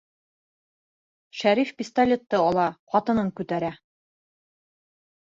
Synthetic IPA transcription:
ʃæɾifpʲist̪alʲet̪ːɤɒlˠɑqɒt̪ɤ̆nɤŋkʉt̪æɾæ

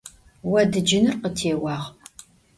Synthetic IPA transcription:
wɐdɨd͡ʒɪnɨrqətʰeːwɑːʁ

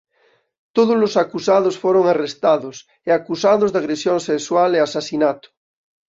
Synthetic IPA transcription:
t̪oð̞ozlosakusaðosfoɾoŋarest̪aðos | eakusaðozðaɣɾesjoŋseswaleasasinat̪o̥

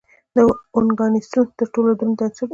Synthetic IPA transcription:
d̪əʊŋɡɑnist̪unt̪əɾʈolad̪unt̪at͡sə

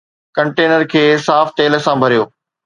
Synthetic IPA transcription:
kɐ̃ɳʈeːnəɾkʰeːsaːft̪eːlə̆sãbʱɐɾijoː

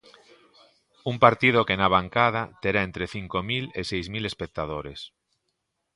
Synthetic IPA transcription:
umpaɾt̪ið̞okenaβ̞aŋkað̞at̪eɾaent̪ɾeθiŋkomilesejzmile̞spek̚t̪að̞oɾes

